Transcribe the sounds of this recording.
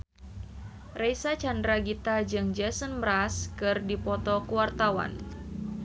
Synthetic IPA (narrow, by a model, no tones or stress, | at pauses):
rejsat͡ʃandɾaɡit̪ad͡ʒɨŋd͡ʒasənbɾaskɨrdipɔt̪ɔkuwart̪awa̰n